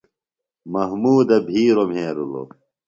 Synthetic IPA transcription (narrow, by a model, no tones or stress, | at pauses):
mɐɦmuːd̪ɐbʱiːɾomɦẽːɾṵlo̰